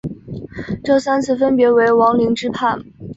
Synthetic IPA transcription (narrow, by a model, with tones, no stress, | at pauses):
ʈ͡ʂɤ˥˩sa˥nt͡sʰɹ̩˥˩fə˥npjɛ˧˥we˧˥ɪwɑ˧˥ŋli˧˥ŋʈ͡ʂɻ̩˥pʰa˥˩n